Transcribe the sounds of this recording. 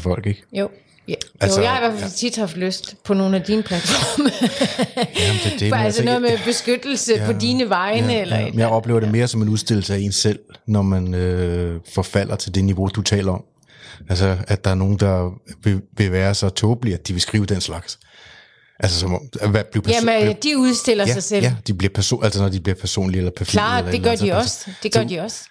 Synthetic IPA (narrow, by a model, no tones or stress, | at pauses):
fɒ̽l̰ɡ̥e̝ɡ̥jo | ʔælsəjaɪhɑiʋæɐfæfælt͡sʰid̥hɑ̈fd̥løsd̥pʰɒ̽no̝ːn̩æd̥inpʰlæd̥fɒm | jæmnd̥e̝d̥eælsənɔ̽ːð̩ˠmeeb̥e̝sɡ̥ød̥l̩səjpɒ̽d̥iːnəʋɑ̈ɪnəelɐmnjɑ̈ɪɒ̽b̥le̝̰ʊɐd̥e̝me̝ːɐsɒ̽me̝nuðˠsd̥e̝l̰l̩səæe̝nsel̰nɒmænøfɒfæl̰ɐt͡sʰe̝ld̥e̝niʋo̝d̥ut͡sʰɛ̰ːlɐɒ̽m | æls̬əæd̥d̥ɑ̈æɐno̝ːn̩d̥ɑ̈ʋeʋe̝ʋæːɐsɒ̽t͡sʰɔːb̥liæ̥d̥iʋe̝sɡ̥ʁiːʊəd̥enslɑ̈ɡ̥s | ʔæls̬əsɒ̽mɒ̽mʋæb̥lipʰæmd̥iuðˠsd̥e̝l̰ɐsɑ̈ɪseljæd̥ib̥liɐpʰæɐso̝̰ʔælsənɒd̥ib̥liɐpʰæɐso̝̰ːnlielɐpʰæɐsḭɐ̥e̥ɶɐd̥iɒsd̥eɡ̥ɶɐd̥iɒ̽s